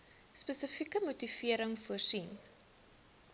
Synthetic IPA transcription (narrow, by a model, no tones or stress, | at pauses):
spəsəfikəmutifiəɾəŋfuərsin